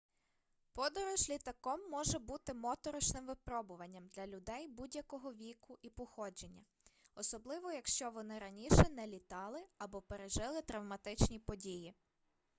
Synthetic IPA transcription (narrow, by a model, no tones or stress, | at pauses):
pɔd̪ɔɾʊʒlʲit̪ɐkɔmːɔʒɛbut̪ɪmɔt̪ɔɾɔt͡ʃnɪmʋɪpɾɔbʊʋɐnʲːɐmd̪lʲɐlʲʊd̪ɛjbudʲjɐkɔɦɔʋʲikʊʔipɔxɔd͡ʒenʲːɐ | ɔsɔblˠɪʋɔjɐkʃt͡ʃɔʋɔnɪɾɐnʲiʃɛnɛlʲit̪ɑlˠɪɐbɔpeɾeʒɪlˠɪt̪ɾɐwmɐt̪ɪt͡ʃnʲipɔdʲiji